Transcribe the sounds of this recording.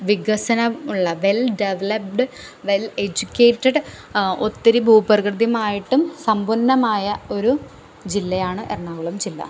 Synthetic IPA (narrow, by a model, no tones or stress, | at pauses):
ʋiɡɐsɐnɐuɭːɐʋe̞lɖeʋɐlɐp̚ɖɨ | ʋe̞led͡ʑukʲːe̞ːʈːɐɖ | o̞t̪ːiɾibʱuːpɐrɐɣrɨd̪jumaːjiʈːumsɐmbʱunːɐmaːjɐo̞ɾu | d͡ʑilːɐjaːɳɨʔḛrɳaːʋɐɭɐmd͡ʑilːɐ̰